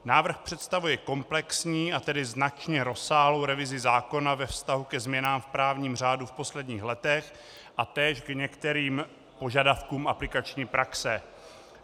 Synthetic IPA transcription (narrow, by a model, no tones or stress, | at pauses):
naːvr̩xpr̥ɛt̪st̪avujɛko̞mplɛksɲiːʔat̪ɛdɪznat͡ʃɲɛɾo̞saːɦlowɾɛvɪzɪzaːko̞navɛfst̪aɦukɛzmɲɛnaːmfpɾaːvɲiːmr̝aːdufpo̞slɛdɲiːxlɛt̪ɛx | ʔat̪ɛːʃɡɲɛkt̪ɛɾiːm | po̞ʒadafkuːmʔaplɪkat͡ʃɲiːpɾaksɛ